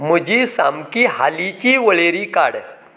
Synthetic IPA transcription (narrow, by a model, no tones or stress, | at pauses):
m̤əd͡ʑisamkihalit͡ɕiʋəɭeɾiːkaɽ